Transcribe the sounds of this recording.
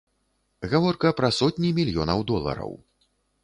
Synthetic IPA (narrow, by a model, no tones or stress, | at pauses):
ɣavɔrkɐpɾɐsɔt̪ʲnʲimʲilʲjɔnɐwd̪ɔlˠɐ̰ɾɐ̰w